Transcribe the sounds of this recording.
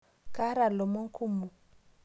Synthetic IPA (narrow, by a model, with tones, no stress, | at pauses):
kʼa˦ɾa˨lɔ˨mo˦ŋ˦kʰu˦mu˨